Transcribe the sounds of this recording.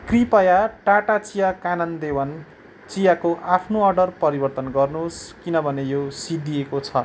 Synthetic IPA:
kripʌjaʈaʈat͡sijakanʌnd̪ewʌn | t͡sijakoʔapʰnoʌrɖʌrpʌɾibʌrt̪ʌnɡʌrnuskinʌbʱʌnejosid̪iekot͡sʰʌ

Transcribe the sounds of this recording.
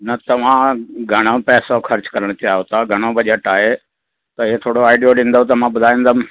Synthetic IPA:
nɐt̪ɐʋ̤ãɡʱɐɽ̃opɛːsoxʰɐɾt͡ɕkɐɾəɽ̃t͡ɕaːɦot̪aɡʱɐɽ̃obɐʄeʈaːɦe | t̪ɐet̪ʰoːɽoaːɪɖijoɖĩːn̆d̪ot̪̬ɐmãbʊd̪ʱaːẽːnd̪əm

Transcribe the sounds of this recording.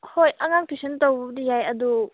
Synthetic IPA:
hojʔɐŋaŋpʰisəntowdijajɐdu

